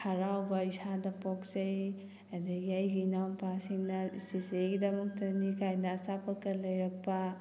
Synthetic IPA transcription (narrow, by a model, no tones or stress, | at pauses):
kʰɐɾawbɐisadɐpok̚sej | ɐdɐɡiɐjɡiːnawnpasiŋnɐsisejɡidɐmɐk̚tɐnikʰajnɐːsapʰɐkːɐlɐjɾɐk̚pɐ